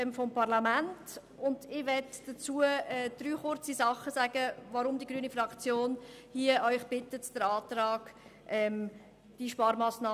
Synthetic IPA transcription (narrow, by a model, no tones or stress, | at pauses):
fɔmpɑɾlamænt | ʊndɪʋɛtd̥ət͡suəɛd̥ɾyːχʊɾt͡sisɑχːəsæɡ̥əʋɑɾʊmdiɡɾyənifɾɑkt͡sjoːnhiəʔœʏχb̥ɪtːətd̥əɾɑːtɾɑːɡ̥ʔɛm | d̥iʃpɑːɾmɑːsnɑː